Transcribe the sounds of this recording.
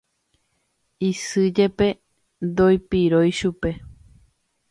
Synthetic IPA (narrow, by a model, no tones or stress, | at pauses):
isɨd͡ʒe̞pe̞ | d̪ojpiɾojʃupe̞